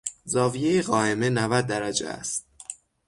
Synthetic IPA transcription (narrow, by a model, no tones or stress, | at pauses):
zɒːvije̞jeɣɒːeme̞nævæd̪̚ːæɾæd͡ʒḛæ̰st̪̚